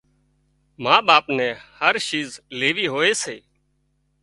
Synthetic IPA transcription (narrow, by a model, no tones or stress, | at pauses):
mãːɓaːpnɛ̃ːhəɾʃiːzleːʋiːɦoːeːseː